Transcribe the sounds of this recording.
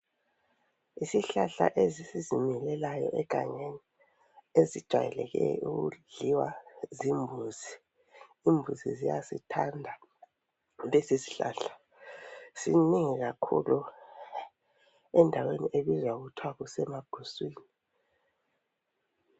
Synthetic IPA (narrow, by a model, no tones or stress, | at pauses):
isiɬaɬa̰ʔezisizimilɛlajɔʔɛɡ̥ʱa̰ɲeni | ezid̥ʒ̥ʱwa̰jɛlɛɣɛ̰uɣṵɮiwazimbʱuzi | imbʱuzḭzijasḭtʰandʱa | lesizi̥ɬa̰ːɬḁ | siniŋiɣakʰṵlu | ɛndʱaweniʔeβizwauɣutʰwaɣusɛmaɡ̥ʱuswiːni